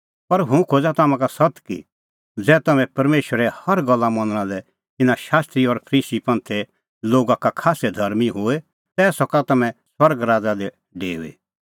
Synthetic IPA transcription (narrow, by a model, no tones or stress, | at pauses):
pɐɾɦũkʰoːd͡zat̪amãkasɐt̪kḭ | d͡zɛːt̪ɐmɛ̃pɐɾmeːʃəɾɛhɐɾɡɐlːamɐ̃nəɽ̃ãlɛ | t̪ɪnaʃaːst̪ɾiɔɾpʰɐɾiːsipɐ̃nt̪ʰe | loːɡakakʰaːsed̪ʱɐɾmiɦoe | t̪ɛːsɔkat̪ɐmɛ̃swɐɾɡɾaːd͡zad̪ɛ | ɖeːṵḛ